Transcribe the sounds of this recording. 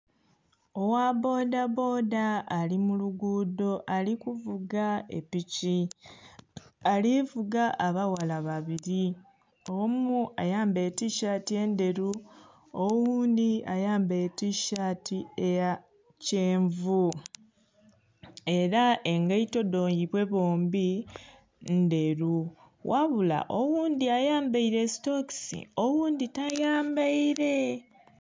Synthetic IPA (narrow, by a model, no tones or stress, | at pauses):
o̞wabo̞ːdabo̞ːdaːlimuluɡuːdo̞ʔalikuvuɡaḛpici | alivuɡaʔːβawalaβaβiɾi | o̞muajaːmbe̞tiʃatie̞ːnde̞ɾu | owuːndiajaːmbe̞tiʃatie̞ja | ceːɱvu | e̞ɾaʔe̞ŋɡaito̞do̞ːɲjiβwe̞βoːmbi | nde̞ɾu | wʔaβula̰ʔowuːnd̪iajaːmbaiɾe̞si̥toksḭowuːnd̪itajaːmbaiɾe̞